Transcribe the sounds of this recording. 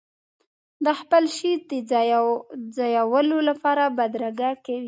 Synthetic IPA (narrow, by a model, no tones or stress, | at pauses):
d̪əxpəlʃid̪ə | zɑjawəlolapɑɾabad̪ɾaɡakawi